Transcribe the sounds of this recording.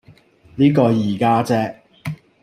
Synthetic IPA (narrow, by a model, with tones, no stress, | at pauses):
niː˦˥kɔː˧jiː˨˩kaː˥t͡sɛː˥